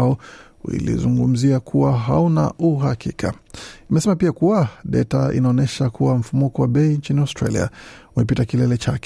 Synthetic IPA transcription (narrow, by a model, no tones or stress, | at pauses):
ɔ | wḭlḭzuŋɡum̩ziakʰuwaɦauna̰uɦakikʰa̰ | imɛsɛmapiakuwaɗɛ̰taḭnaɔnɛʃakuwam̩fumukɔwaɓɛiɲt͡ʃiniawstɾa̰lḭa̰umɛpitakilɛlɛt͡ʃakɛ